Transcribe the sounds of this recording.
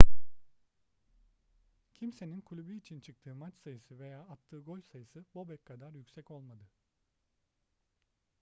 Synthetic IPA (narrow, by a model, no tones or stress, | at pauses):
cʰimse̞ninkʰulʲubyːt͡ʃʰint͡ʃʰɯk̚t̪ʰɯːmat͡ʃsajɯsɯve̞jaːat̪ʰːɯːɡo̞lʲsajɯsɯbo̞bɛckʰad̪aɾjycʲsɛco̞lˠmad̪ɯ